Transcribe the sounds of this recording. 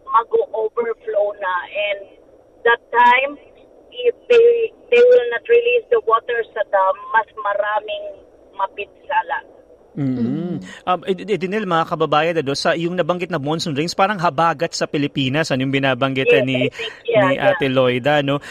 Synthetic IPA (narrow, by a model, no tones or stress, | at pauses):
mɐɡoʔobɛɹflownɐʔɛ̃nd̪ | d̪ɐt̪ːajm | ʔɪfd̪e | d̪ejwɪlnɐt̪ɹɪlisd̪ɐwot̪ɛɹsɐd̪amːɐsmɐɾaːmɪŋ | mɐpɪt̪salɐ | m̩ːʔɐʔɛd̪ɪnɛlmɐŋakɐbɐbaːjɐd̪ɐnosɐʔjʊŋnɐbɐŋɡɪt̪nɐbonsɔnɹenspaːɾɐŋɦɐbaːɡɐt̪̚sɐpɪlɪpiːnɐsʔɐnojʊŋbɪnaːbɐŋɡɪt̪ːɐniniʔaːt̪ɪlo̞jd̪ɐno̞